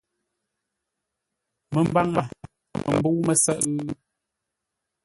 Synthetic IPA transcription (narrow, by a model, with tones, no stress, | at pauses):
mə˨m˦ba˦ŋma̰˨ | mə̰˨m̩˨bu˦wmə˦sə˦ʔ